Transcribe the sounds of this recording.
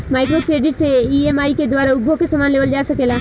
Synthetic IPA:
maːɪkɾokɾeːɖɪʈseiemaːiked̪waːɾaʊbʱokesɐmaːnleːʋəld͡ʒaːsɐkeːla

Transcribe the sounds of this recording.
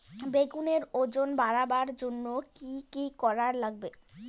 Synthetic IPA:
beɡuneɾod͡ʑonbaɾabaɾd͡ʑonːokikikɔɾaɾlaɡ̚be

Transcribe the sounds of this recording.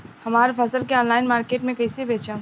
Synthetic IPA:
hɐmaːɾpʰɐsəlkeɔːnlaːɪnmaːɾkeːʈmẽkɐɪsiebeːt͡ʃãː

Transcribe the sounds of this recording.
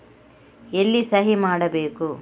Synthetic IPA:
elːisɐɦimaːɽɐbeːku

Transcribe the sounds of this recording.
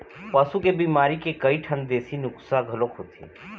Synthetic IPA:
pɐsukebiːmaːɾikekɐiʈʰə̃nd̪eːsinʊksaɡʱɐlokɦoːt̪ʰḭ

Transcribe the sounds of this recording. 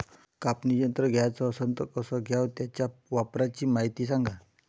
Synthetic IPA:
kapnid͡ʑənt̪ɾəɡʱjat͡sɔːsənt̪əkəsɔɡʱjawt̪jat͡ɕjaʋapɾat͡ɕiːmaɦit̪iːs̬ãŋɡʱa

